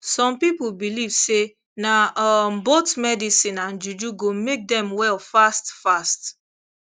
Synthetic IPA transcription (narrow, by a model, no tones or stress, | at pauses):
sɔ̃mpipolbilivse | naɔmbotmɛdisĩnãnd͡ʒud͡ʒuɡomek̚dɛ̃mwɛlfastfast